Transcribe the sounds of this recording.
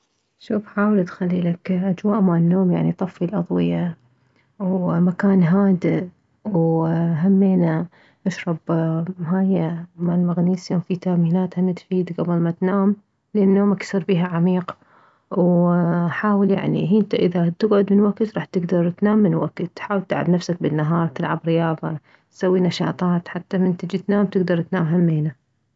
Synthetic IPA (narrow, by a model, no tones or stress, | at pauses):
ʃuːfħaːwɪlt̪xalːilakʔad͡ʒwaːʔmaʕnːoːmja̰ʕnit̪ˤɑfːilʔɑðˤwɪja | wmakaːnɦaːd̪ɪ | wɦamːeːna | ʔaʃɾˤɑbmɦaːjamalmaɣniːsawfit̪aːmiːnaːt̪hamat̪fiːd̪ɡabɪlmat̪naːm | lɪʔanːjoːmaksˤɨɾˤbiːɦaʕamiːq | wħaːwɪlja̰ʕnḭɦiːnt̪aʔɪðat̪ɪɡʕʊd̪mɪnwakt̪ɾˤɑːħt̪ɪɡd̪ɑɾˤt̪naːmːɪnwakt̪ːħaːwɪlt̪ɪlʕa̰bnafsak̚bɪnːaɦɑːɾˤt̪ɪlʕabɾɪjɑːðˤɑ̰ | t̪sawːinɑʃɑ̰ːt̪ˤɑːt̪ħat̪ːamɪnt̪ɪd͡ʒit̪naːmt̪ɪɡd̪ɑɾˤt̪naːmɦamːeːna